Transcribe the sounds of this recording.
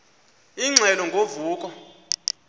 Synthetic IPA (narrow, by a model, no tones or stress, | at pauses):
iŋ͡ǀʱɛlɔŋɡʱovuːkʼɔ